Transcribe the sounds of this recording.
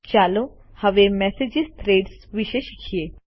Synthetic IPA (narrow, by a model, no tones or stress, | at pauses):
t͡ʃaːlõ | hɐʋemɛːsed͡ʒist̪ɾeːɖsʋɪʃeʃikʰieː